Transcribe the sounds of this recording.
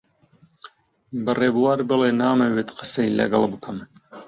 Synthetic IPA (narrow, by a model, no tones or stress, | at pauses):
bɨreːbuwaːɾbɨleːnaːmɐweːt̪qʰɨ̥sejlɐ̰ɡɐlˠbɨkʰɐm